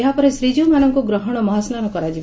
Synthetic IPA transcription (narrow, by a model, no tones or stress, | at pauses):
eɦapɔɾesɾid͡ʒumanɔŋkuɡɾɔɦɔɽ̃ɔmɔɦɔsnanɔkɔɾad͡ʒi